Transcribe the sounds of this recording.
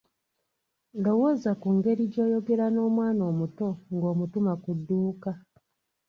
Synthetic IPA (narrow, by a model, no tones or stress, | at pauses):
lowozakuŋɡe̞ɾiɟo̞ːjo̞ɡe̞ɾano̞ːmwaːno̞ːmuto̞ŋɡo̞ːmutumakudːuːka